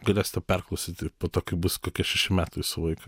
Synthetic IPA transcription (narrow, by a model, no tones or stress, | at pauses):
ɡɛlɛst̪ɛpɛrklosit̪ipot̪okibuskɔkɛʃeʃimat̪usoik